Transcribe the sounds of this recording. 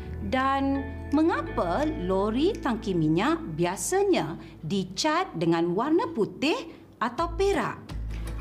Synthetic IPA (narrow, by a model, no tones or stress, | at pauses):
danmə̃ŋapaloɾit̪aŋkimiɲaʔbiasaɲã | dit͡ʃat̪̚dəŋãnwarnəput̪ɪh | ʔat̪awpeɾa̰ʔ